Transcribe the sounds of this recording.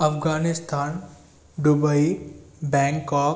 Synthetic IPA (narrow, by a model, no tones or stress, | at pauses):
ɐfɡaːnɪst̪ʰaːn | ɖʊbəibɛ̃ːŋkɔːk